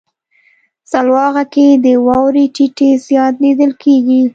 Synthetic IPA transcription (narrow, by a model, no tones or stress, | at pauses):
salwɑɣaked̪əwɑwɾeʈiʈezjɑt̪̚nid̪əlkʰeɡi